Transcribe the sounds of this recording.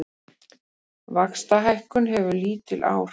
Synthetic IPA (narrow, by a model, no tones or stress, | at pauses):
vakst̪aɦajhkʏnɦɛvʏliːt̪ɪlʔa̰ːwɾ